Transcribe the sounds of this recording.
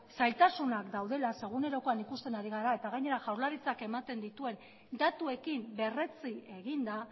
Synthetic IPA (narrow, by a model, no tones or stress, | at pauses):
sajlt̪asunakd̪awðe̞lase̞ɣ̞une̞ɾo̞ko̞anikust̪e̞naɾiɣ̞aɾae̞t̪aɣ̞ajɲe̞ɾaʝawɾlaɾit͡sake̞mat̪e̞nd̪it̪ue̞n | d̪at̪ue̞kimbe̞re̞t͡sie̞ɣ̞ind̪a